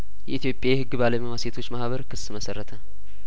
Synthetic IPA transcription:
jɛ̰ʔit̪ʰijo̞pʼːjajhɨɡːɨbaləmiwaset̪ʰo̞t͡ʃːmahβəɾkʰɨsːɨməsərːət̪ʰə

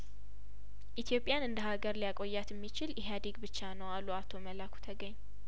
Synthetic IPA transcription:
ʔit̪ʰjo̞pʼjanɨnd̪əɦaɡəɾlijakʼo̞jːat̪jɛmːit͡ʃɪljɛɦad̪iɡbɨt͡ʃːanəwalːuat̪ʰo̞məlakʷʰu̥t̪ʰəɡəɲː

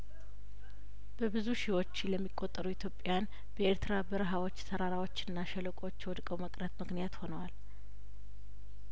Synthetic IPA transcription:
b̥əbɨzuʃɪwo̞t͡ʃːləmːikʼːot̪ʼːəɾuit̪ʰjo̞pʼjan | b̥əeɾt̪ʰɨɾabɨɾɨɦawo̞t͡ʃːsʰəɾaɾawot͡ʃːɨnːaʃɛləkʼo̞t͡ʃːjɛwɔd̪kʼəwməkʼɾət̪mɨknijat̪ho̞nəwal

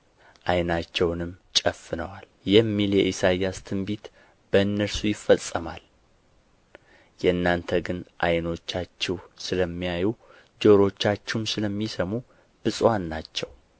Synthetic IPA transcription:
ʔajnat͡ʃːɛwnɨmt͡ʃʼəfːɨnəwal | jɛmːiljɛʔisajast̪ʰɨmbit̪ | b̥əɨnːəɾsujɪfːəsʼːəma̰l | jɛnːant̪ʰəɡɨnʔa̰jno̞t͡ʃːat͡ʃːɛwsɨləmːijaju | d͡ʒoɾo̞t͡ʃːat͡ʃːɛumsɨləmːisəmu | b̥ɨsʼwanːat͡ʃːɛw

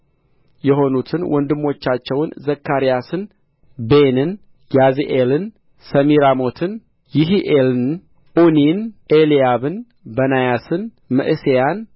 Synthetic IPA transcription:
jɛho̞nut̪ʰɨnwʔɔnd̪ɨmːo̞t͡ʃːat͡ʃːɛwnzəkʰːaɾijasɨn | benɨn | jaziʔelɨn | səmiɾamo̞t̪ʰɨn | jɪɦiʔelɨn | ʔuninʔelijaβɨn | bənajasɨn | mɨ̰ʔɨsejan

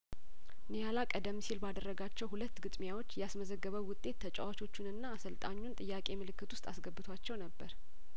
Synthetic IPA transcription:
nejalakʼəd̪əmːsilbad̪ərːəɡat͡ʃːɛwhulət̪ːɡɨt̪ʼmijawo̞t͡ʃːjɛasməzəɡːəβəwːʊt̪ʼːe̞t̪ːʰət͡ʃʼɛ̰wat͡ʃʰo̞t͡ʃːunɨnːaːsəlt̪ʼa̰ɲːunt̪ʼɨjːakʼe̞mɨlɨkːɨt̪ʰwʊst̪ʼa̰sɡəbːɨt̪ʰwat͡ʃːɛwnəbːəɾ

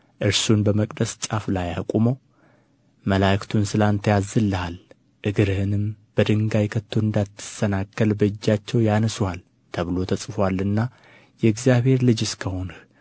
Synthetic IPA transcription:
ʔɨɾsunbəməkʼd̪əst͡ʃʼaflajakʼuməw | məlakt̪ʰunsɨlant̪ʰəjazɨlːəhal | ʔɨɡɨɾɨhɨnɨmb̥əd̪ɨŋɡajkʰət̪ʰːoɨnd̪at̪ʰːɨ̥sənakːəlbəɨd͡ʒːat͡ʃːɛwjanəswal | t̪ʰəβɨlo̞t̪ʰəsʼɨfwalːɨnːa | jɛɨɡzijaβhe̞ɾlɨd͡ʒskʰəho̞nə

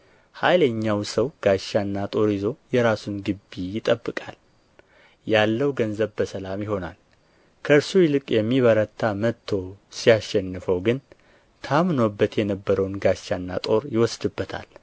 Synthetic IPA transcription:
hajləɲːawsəwɡ̥aʃːanːat̪ʼo̞ɾizo̞jɛɾasunɡɨbːijɪt̪ʼəbːɨkʼa̰l | jalːəwɡənzəβbəsəlamjɪɦo̞na̰l | kʰəɨɾsujɪlɨkʼjɛmːiβəɾət̪ʰːamət̪ʰːo̞sijaʃːɛnːɨfəwɡɨn | t̪ʰamno̞bːət̪jɛnəbːəɾəwnɡaʃːanːa̰t̪ʼo̞ɾjɪwɔsd̪ɨbːət̪ʰa̰l

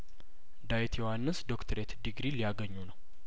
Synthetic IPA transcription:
d̪ajt̪ʰjohanːɨsd̪o̞kt̪ʰəɾet̪d̪iɡɾilijaɡəɲːunəw

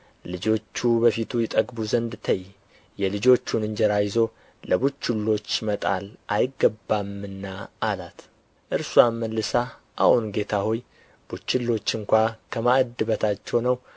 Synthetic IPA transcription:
lɨd͡ʒo̞t͡ʃːubəfit̪ʰujɛt̪ʼəɡbuzənd̪t̪ʰəj | jɛlɨd͡ʒo̞t͡ʃːunɨɲd͡ʒɛɾajzo̞ | ləbut͡ʃːulːo̞t͡ʃːmət̪ʼa̰lʔajɪɡːəbːamːɨnːaalat̪ | ʔɨɾsuamːəlːɨsa | ʔa̰hunɡe̞t̪ʰaho̞j | b̥ut͡ʃːulːo̞t͡ʃːɨŋkʷakʰəmad̪ɨβət̪ʰat͡ʃːɛwnəw

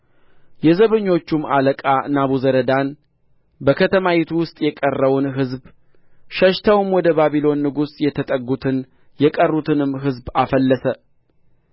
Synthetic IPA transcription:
jɛzəβɨɲːo̞t͡ʃːumaləkʼanaβuzəɾəd̪an | bəkʰət̪ʰəmajɛt̪ʰuwʊst̪ʼjɛkʼərːəwʊnɦɨzb | ʃəʃt̪ʰəwɨmwɔd̪əbaβilo̞nːɨɡusjɛt̪ʰət̪ʼəɡut̪ʰɨn | jɛkʼərːut̪ʰɨnɨmɦɨzbafəlːəsə

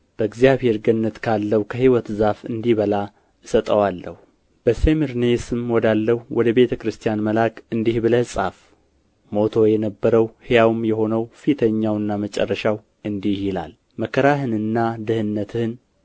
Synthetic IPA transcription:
b̥əɨɡzjaβhe̞ɾɡənːət̪kʰalːəwkʰəɦiwɔt̪zafɨnd̪iβəla | ɨsət̪ʼəwalːəhu | b̥əsemiɾnesɨmwɔd̪alːəhuwɔd̪əβe̞t̪ʰəkɾɨst̪ʰijanməlakʰɨnd̪ihbɨləhsʼaf | mo̞t̪ʰo̞jɛnəbːəɾəwhejawɨmjɛho̞nəwfit̪ʰəɲːawɨnːamət͡ʃʼɛ̰rːəʃaw | ɨnd̪ihjila̰l | məkʰəɾaɦɨnɨnːad̪ɨhɨnːət̪ʰɨhn

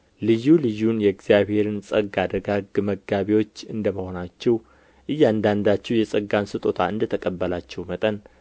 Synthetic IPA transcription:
lɨjːulɨjːunjɛɡz̥ijaβhe̞ɾɨnsʼəɡad̪əɡaɡməɡːaβiwo̞t͡ʃːɨnd̪əməho̞nat͡ʃːɛw | ʔɨjːand̪and̪at͡ʃːɛwjɛsʼəɡːansɨt̪ʼo̞t̪ʰaɨ̰nd̪ət̪ʰəkʼəbːəlat͡ʃːɛwmət̪ʼən

